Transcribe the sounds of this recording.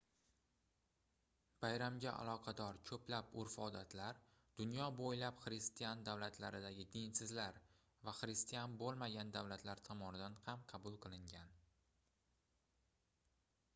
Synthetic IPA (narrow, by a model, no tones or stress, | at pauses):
b̥ajɾamɡʲaʔa̰lˠɒqʰɑd̪ɒɾkʲʰɵplapʊɾfɒd̪at̪ʰlaɾ | d̪̥ʊnjɒbojlapχɾɪst̪ijand̪awlat̪ʰlaɾɪd̪aɡʲɪd̪ensɪzlaɾ | vaχɾɪst̪ijanbolˠmaɡʲand̪awlat̪ʰlaɾt̪ʰɒmɒnɪd̪anhamqʰɑbʊlˠqʰɨlˠɪŋɡʲan